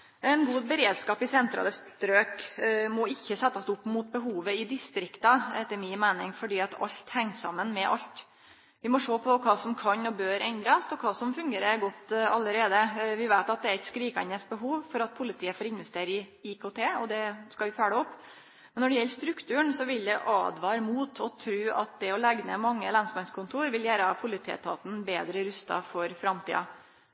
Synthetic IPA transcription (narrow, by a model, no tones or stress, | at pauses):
ɛnɡuːbəɾeːd̪skɑːpɪsɛnt̪ɾɑ̰ːləst̪ɾøːkmɔɪçːəsɛt̪ːɑsʊpːmʊt̪̚bəɦuːʋəɪd̪ɪst̪ɾɪkt̪ɑɛt̪ːəɾmɪːmæɪnɪŋfɔɖiːɑt̪ʰɑ̰ʎt̪hɛŋsɑ̰mːənmɛʔɑ̰lt̪ | ʋɪmɔʂoːpʰɔkʰɑːsɔmkʰɑɲɔbøːɾʔɛnd̪ɾɑsɔkʰɑːsɔmfʉŋɡeːɾəɡɔt̪ːɑlːəɾeːd̪əʋɪʋæɪt̪ɑt̪̚d̪ɛæɾɛt̪skɾiːkɑnəsbəɦuːʋfɔɾɑt̪̚pʰʊlɪt̪ʰiːəfoːɾɪnʋɛst̪eːɾəɪ | ɪkʰoːt̪ʰeːɔd̪ɛskɑʋɪfæːɽəɔpː | mɛnːɔɖɛjɛlːst̪ɾʉkt̪ʉːəɳsɔʋɪld̪ɛʔɑ̰ːd̪ʋɑːɾmuːt̪ʰɔt̪ʰɾʉːʔɑt̪̚d̪ɛɔlæɡnə̰mɑŋːəlɑnsmɑnskʰʊnt̪ʰuːɾʋɪljæːɾəpʰʊlɪt̪ʰḛːət̪ʰɑːt̪n̩beːd̪ɾəɾʉst̪ɑ̰fɔɾfɾɑmt̪ʰḭːɑ